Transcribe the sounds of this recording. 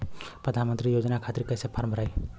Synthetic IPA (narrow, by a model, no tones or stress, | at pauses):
pɾəd̪ʱanmənt̪ɾijod͡ʒnakʰat̪ɾikəjsepʰaɾmbʱəɾaj